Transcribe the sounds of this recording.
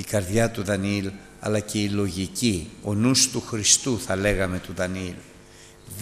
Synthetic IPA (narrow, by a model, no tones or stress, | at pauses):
ikɐɾðʝɐt̪uðɐnil | ɐ̰lɐce̞ilo̞ʝicio̞nust̪uxɾist̪uθɐle̞ɣɐme̞t̪uðɐnil | ð